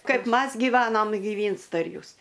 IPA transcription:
ˈkɐɪp ˈmɐs ɡʲiːˈʋɑːnoːm ɡʲɪˈʋʲiːnstɐ ɪr ˈjuːs

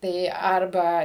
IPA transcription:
ˈtɐɪ ˈɐrbɐ

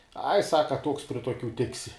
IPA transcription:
ɐɪ ˈsɑːkɐ toːks pʲrʲɪ toːˈkʲuː ˈtʲɪksʲɪ

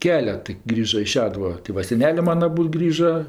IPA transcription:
ˈkʲæːlʲɛt tɐɪ ˈɡrʲiːʒɐ ɪ ˈʃʲæːdʊʋɐ tʲeː ˈʋɐ sʲɛˈnʲæːlʲeː ˈmɑːnɐ ɐˈbuːt ˈɡrʲiːʒɐ

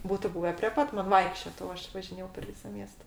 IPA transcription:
ˈbuːtʊ ˈbuːʋʲɛ pʲrʲeː ˈpɐt mɐn ˈʋɐɪkʃʲt͡ʃʲoːt oː ˈɐʃ ʋɐʒʲɪˈnʲeːjɛʊ pʲɛr ˈʋʲiːsɐ ˈmʲiɛstɐ

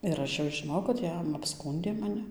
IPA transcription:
ɪr ˈɐʃ jɛʊ ʒʲɪˈnoːjɛʊ kɐt ˈjɛm ɐpˈskuːnʲdʲeː mɐˈnʲɪ

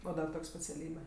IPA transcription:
oː ˈdɐr ˈtoːkʲ sʲpʲɛt͡sʲɛˈlʲiːbʲɛ

